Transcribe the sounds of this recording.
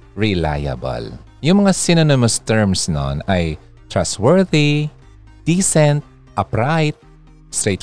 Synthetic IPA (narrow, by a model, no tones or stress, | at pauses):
ɹɪla̰jɐ̰bɐ̰l | jʊŋmɐŋasɪnonɪmɐst̪ɛɹmsno̰nɐj | t̪ɹast̪wɛɹði | d̪̥iːsɛnt̪̚ | ʔɐpɾajt̪̚ | st̪ɾet̪